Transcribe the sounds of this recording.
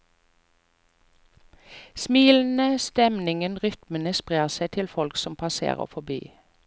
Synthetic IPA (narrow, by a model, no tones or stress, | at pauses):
smiːln̩əst̪ɛmnɪŋənʁʏt̪mənəspʁeːʁsæɪt̪ʰɪlfɔlksɔmpʰɑsḛːʁə̰fɔby̰ː